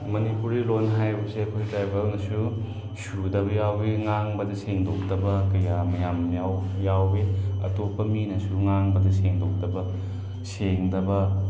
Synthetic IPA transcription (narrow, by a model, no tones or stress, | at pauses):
mɐnipuɾilonɦajbɐseɐkʰojdɾajbɐlnɐsu | sudɐbɐjawbeŋaŋbɐdɐseŋdok̚dɐbɐkɐjamɐjamjawjawbeɐ̰topʰːɐminɐsuŋaŋbɐdɐseŋdok̚dɐbɐ | seŋdɐbɐ